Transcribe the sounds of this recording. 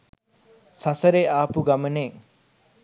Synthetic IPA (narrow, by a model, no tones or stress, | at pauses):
sasəɾeaːpuɡaməneːŋ